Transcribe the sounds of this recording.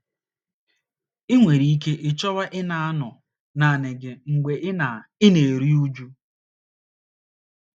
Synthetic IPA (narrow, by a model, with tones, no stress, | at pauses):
ɪ˦ŋʷe˨ɾi˨i˦ke˦ʔɪ˦t͡ʃɔ˦βa˦ʔɪ˦na˨a˦nʊ˨ | na˨nɪ˨ɡɪ˨ŋ̩˨ɡ͡bʷe˨ʔɪ˦na˨ɪ˦ne˨ɾi˦u˦d͡ʒu˦